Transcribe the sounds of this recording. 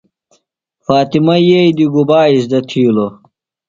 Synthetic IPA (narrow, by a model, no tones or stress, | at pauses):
faːt̪imɐjejd̪iɡubaːis̬d̪ɐt̪ʰiːlo